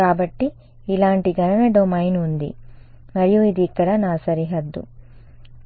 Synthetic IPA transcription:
aːbɐʈːiː | laːɳʈiɡɐnɐnɐɖomɐjnund̪ḭ | mɐɾɛjuid̪ikːɐɽɐnaːsɐɾiɦɐd̪ːṵ

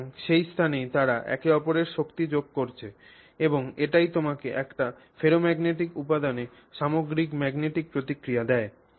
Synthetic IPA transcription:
ŋʃejst̪ʰanejt̪aɾaʔɛ̰keɔpoɾeɾʃokt̪id͡ʑoɡ̚koɾt͡ɕʰe | eboŋeʈajt̪omakeʔɛkʈa | feɾomɛɡneʈikupad̪ane | ʃamoɡɾikmɛɡneʈik̚pɾot̪ikɾijad̪ɛe

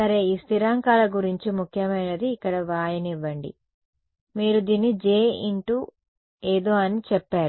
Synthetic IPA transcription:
sɐɾe̞ːiːst̪iɾaːŋkaːlɐɡuɾiɲt͡ʃimukʰjɐmɐjnɐd̪iːkːɐɽɐʋaːjɐniʋːɐɳɖḭ | miːɾud̪iːnːid͡ʒeːiɳʈu | eːd̪o̞ːɐnit͡ʃɛpːaːɾu

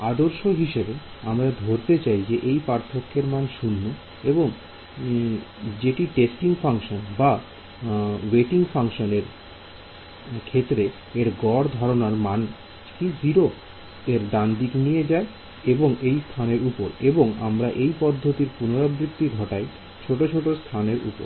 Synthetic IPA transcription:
ad̪oɾʃoɦiʃebe | amɾad̪ʱoɾt̪et͡ɕajd͡ʑeʔejpaɾt̪ʰokʰːeɾmanʃunːo | eboŋ | d͡ʑeʈiʈesʈiŋfaŋʃonba | weʈiŋfaŋʃoneɾ | kʰet̪ːɾe | eɾɡɔɾd̪ʱɔɾonaɾman | kiziɾo | eɾd̪and̪iknijed͡ʑae | eboŋejst̪ʰaneɾupoɾeboŋa̰mɾaʔejpɔd̪ʱːot̪iɾpunoɾabɾikt̪iɡʱɔʈae | t͡ɕʰoʈot͡ɕʰoʈost̪ʰaneɾʔṵpo̰ɾ

